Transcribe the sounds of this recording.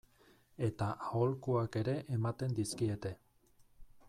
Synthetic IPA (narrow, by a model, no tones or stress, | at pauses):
e̞t̪aʔaolkuake̞ɾe̞ʔemat̪e̞nd̪iskie̞t̪e̞